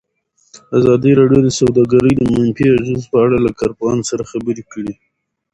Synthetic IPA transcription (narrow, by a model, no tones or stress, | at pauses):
azɑd̪iɾɑɖjod̪əsawd̪ɑɡaɾəjd̪əmʊaɪmpiaʒɑnzpəaɽalakɑɾpɣɑnsaɾaxabəɾekəɽi